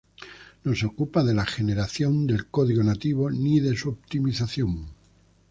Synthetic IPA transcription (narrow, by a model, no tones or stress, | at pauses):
no̞seokupað̞e̞laxe̞ne̞ɾaθjo̞nd̪e̞lko̞ðiɣonat̪iβ̞o̞niðe̞suopt̪imiθaθjoŋ